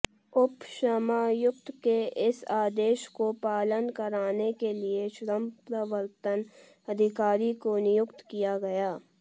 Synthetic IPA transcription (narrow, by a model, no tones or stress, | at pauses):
ʊpʃəmaːjʊk̚t̪keɪsaːd̪eːʃkopaːlənkəɾaːnekelieʃɾəmpɾəʋəɾt̪ən | ɐd̪ʱɪkaːɾikonɪjʊkt̪kijaɡɐjaː